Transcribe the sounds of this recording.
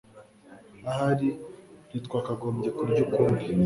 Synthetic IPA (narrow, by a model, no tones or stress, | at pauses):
ahaɾiɾitkwaːkaɡoːmɟekuɾɟokuːmbi